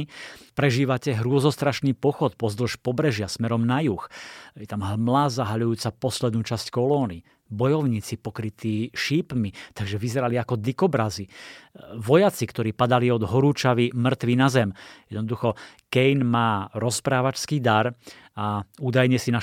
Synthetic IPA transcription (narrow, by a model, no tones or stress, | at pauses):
pɾɛʒiːʋacɛɦɾʊɔzɔst̪ɾaʃniːpɔxɔt̪̚pɔzd̪l̩ʃpɔbɾɛʒɪasmɛɾɔmnajuxjɛt̪amɦmlaːzaɦaʎujuːt͡sapɔslɛd̪nuːt͡ʃasckɔlɔːni | bɔjɔʊɲiːt͡sipɔkɾit̪iːʃiːpmit̪aɡʒɛʋizɛɾaliakɔd̪ikɔbɾazi | ʋɔjat͡sikt̪ɔɾiːpad̪aliɔd̪ɦɔɾuːt͡ʃaʋimr̩t̪ʋinazɛmjɛd̪nɔd̪uxɔ | kɛjnmaːɾɔspɾaːʋat͡ʃskiːd̪aɾ | auːd̪ajɲɛsina